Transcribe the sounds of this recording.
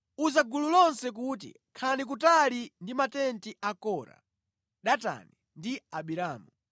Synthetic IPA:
uzaɡululɔnsɛk̬ut̬ḭ | kʰanik̬utalindimatɛntiakɔɾa̰ | ɗata̰ni | ndiaɓiɾaːmu

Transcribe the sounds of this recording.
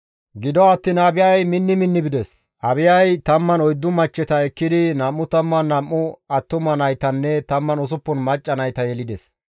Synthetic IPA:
ɡɪd̪ɔɐt̪ːinɐbɪjajmɪnːɪmɪnːɪbɪd̪ɛs | ʔɐbɪjɐjt̪ɐmːɐnɔjd̪ːʊmɐt͡ʃːɛt̪ɐɛkːɪd̪ɪnɐmːʊt̪ɐmːɐnːɐmːʊɐt̪ːʊmɐnɐjt̪ɐnːɛt̪ɐmːɐnɔs̬ʊpːɔnmɐt͡ʃʼːɐnɐjt̪ɐjɛlɪd̪ɛs

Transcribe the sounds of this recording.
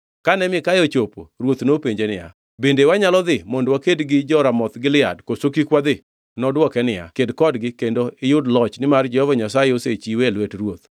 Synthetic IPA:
kanɛmɪkajɔt͡ʃopo̰ɾwot̪nopeɲd͡ʒenɪja̰ | bendewaɲalɔd̪ɪmɔndwakedɡɪd͡ʒɔɾamɔt̪ɡɪlɪa̰dkosokikwad̪ɪ | nɔdwɔkɛnɪja̰kedkɔdɡɪkendoɪjʊdlɔt͡ʃnɪmard͡ʒɛhɔvɔɲasajeoset͡ʃiwelwetrwot̪̚

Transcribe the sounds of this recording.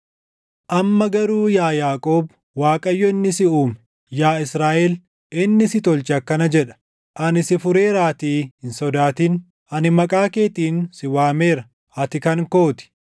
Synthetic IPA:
ʔɐmːɐɡɐɾuːjaːjaːkʼo̞ːb | waːkʼɐjːɔɪnːɪsɪuːm | jaːɪsɾaːʔɛl | ʔɪnːɪsɪt̪ɔlt͡ʃɐkːɐnɐd͡ʒɛᶑɐ̥ | ʔɐnɪsɪfʊɾe̞ːɾaːt̪iːhɪnsɔd̪aːt̪iːn | ʔɐnɪmɐkʼaːke̞ːt̪iːnsɪwaːme̞ːɾɐ | ɐt̪ɪkɐŋko̞ːt̪ɪ̥

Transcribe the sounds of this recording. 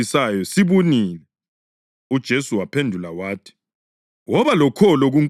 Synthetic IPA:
isajɔsiβuninɛ | ud̥ʒ̥ʱesuwapʰendʱulawaːtʰi̥ | wɔβalɔkʰɔlɔɣuŋ

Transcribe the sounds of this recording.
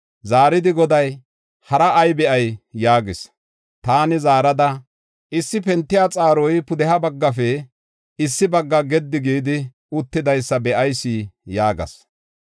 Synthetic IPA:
zaːɾɪd̪ɪɡɔd̪ɐj | hɐɾɐʔːjbɛʔɐjːaːɡɪs | t̪aːnɪzaːɾɐd̪ɐ | ʔɪsːɪpɛnt̪ːɪjaːt͡sʼaːɾɔjpʊd̪ɛhɐbɐɡːɐfɛ | ɪsːɪbɐɡːɐɡɛd̪ːɪɡiːd̪ɪ | ʊt̪ːɪd̪ɐjsːɐbɛʔɐjsːiːjaːɡɐ̰s

